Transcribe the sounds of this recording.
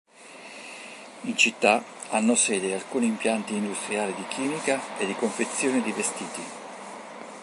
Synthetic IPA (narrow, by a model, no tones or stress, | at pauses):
int͡ʃit̪ːa | anːosɛːd̪ealkuːniːmpjant̪iːnd̪ust̪ɾiaːlid̪ikʰiːmikaed̪ːikoɱfet̪sːjoːnid̪ivest̪iːt̪i